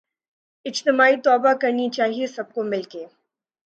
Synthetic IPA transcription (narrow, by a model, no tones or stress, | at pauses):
ɪd͡ʒt̪ɪmaːit̪ɔːbakɐɾnit͡ʃaːɦiesɐb̚komɪlkeː